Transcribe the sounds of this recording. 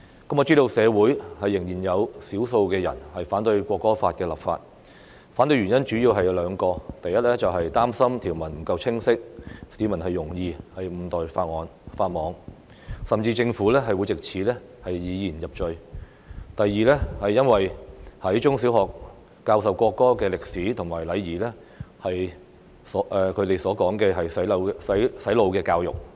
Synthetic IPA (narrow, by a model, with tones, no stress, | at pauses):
kɐ˥mɔ˨˧t͡siː˥ɾo˧wsɛː˨˧wuː˨˥jhɐ˨jːɪ˨˩ŋjiː˨˩njɐ˨˧wsiː˨˥wso˧wkɛː˧jɐ̰˨˩nhɐ˨jfaː˨˥nt̪ɵ˧ɥkʷɔː˧kːɔː˥faː˧t̚kɛː˧lɐ̰˨pfa̰ː˧t̚ | faː˨˥nt̪ɵ˧ɥy˨˩njɐ˥nt͡ʃyː˨˥jiː˧wɦɐ˨jlœː˨˧ŋkɔː˧t̪ɐ˨jɐ˥t̚lɛː˥t͡sɐ˨wɦɐ˨jt̪aː˥msɐ˥mt̪ʰiː˨˩wmɐ˨˩nm̩˨˩kɐ˧wt͡sʰɪ˥ŋsɪ˥k̚siː˨˧˥mɐ˨˩nhɐ˨jːʊ˨˩ŋjiː˨˧hɐ˨jm̩˨˧t̪ɔː˨jfaː˧t̚ŋɔː˨˥nfaː˧t̚mɔː˨˧ŋ | sɐ˨mt͡siː˧t͡sɪ˧ŋfuː˨˥lɛː˥ɦɐ˨jwu˨˧jt͡sɪ˨k̚t͡sʰiː˨˥lɛː˥hɐ˨jjiː˨˧jiː˨˩njɐ˨p̚t͡ʃɵ˨˧ɥ | t̪ɐ˨jːiː˨lɛː˥hɐ˨jːɐ˥nwɐ˨jhɐ˨˥jt͡ʃʊ˥ŋsiː˨˥whɔː˨kː | aː˧wsɐ˨wkʷɔː˧kːɔː˥kɛː˧lɪ˨k̚siː˨˥t̪ʰʊ˨˩ŋmaː˨˩jlɐ˨˧jːiː˨˩lɛː˥ | hɐ˨j | sɔː˨˥ʔɛː˨˧kʰɵ˨˧ɥt̪e˨jsɔː˨˥kɔː˨˥ŋkɛː˧ɦɐ˨jsɐ˨˥ɐ˨˧wsɐ˨˥jsɐ˨˥jlo˨˧wkɛː˧kaː˧wjʊ̰˨k̚